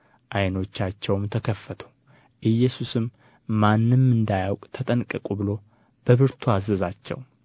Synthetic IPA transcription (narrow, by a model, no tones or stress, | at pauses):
ʔajno̞t͡ʃːat͡ʃːɛwmt̪ʰəkʰəfːət̪ʰo̥ | ʔɨjːɛsusɨmː | anːɨmːɨnd̪ajawkʼt̪ʰət̪ʼənkʼɨkʼubɨlo̞ | b̥əβɨɾt̪ʰuazəzat͡ʃːɛ̰w